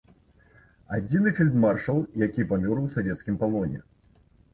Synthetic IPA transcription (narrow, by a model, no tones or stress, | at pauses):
ad͡zʲinɨfʲilʲd̪marʂɐlˠjakʲipamʲɔɾɨwsavʲɛt̪skʲimkalˠɔnʲɛ̰